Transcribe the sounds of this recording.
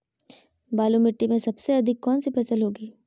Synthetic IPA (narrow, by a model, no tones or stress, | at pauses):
baːlumɪʈːimẽsɐbseɐd̪ʱɪkːɔːnsipʰɛːsəlɦoːɡiː